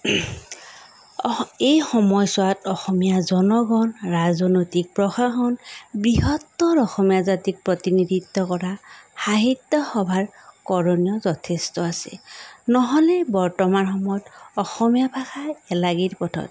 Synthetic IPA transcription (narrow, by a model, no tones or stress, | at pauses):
ejxɔmɔjsʊatɔxɔmijazɔnɔɡɔnɹazɔnojtik̚pɹɔxaxɔnbiɦɔtːɔɾɔxɔmijazatik̚pɹɔtinidʱitːɔkɔɹaxaɦitːɔxɔbʱaɹkɔɹoniɔzɔtʰestɔasɛ̰nɔɦɔlɛbɔɹtɔmanxɔmɔjɔtɔxɔmijabʱaxaɛlaɡiɹpɔtʰɔ̰t